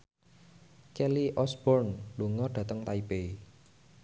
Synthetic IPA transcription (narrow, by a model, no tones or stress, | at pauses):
kɛliʔɔsb̥ɔrnluŋɔɖ̥ä̤t̪əŋt̪aipei